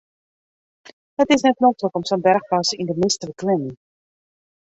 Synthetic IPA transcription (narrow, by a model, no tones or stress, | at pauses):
dətɪs̬nɛt̚motləkɔmsonbɛrχpɑsindəmɪstəbəklɪmən